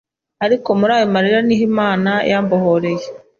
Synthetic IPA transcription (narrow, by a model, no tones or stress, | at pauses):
aɾiko̞muɾaːjomaɾiɾaniɦimaːnajaːmbohoɾeje